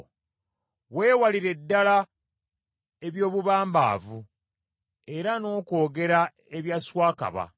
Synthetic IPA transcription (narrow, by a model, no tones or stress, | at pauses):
we̞ːwaliɾe̞dːala | e̞βjo̞ːβuβaːmba̰ːvu | e̞ɾano̞ːko̞ːɡe̞ɾa | e̞βjaswaːka̰βa̰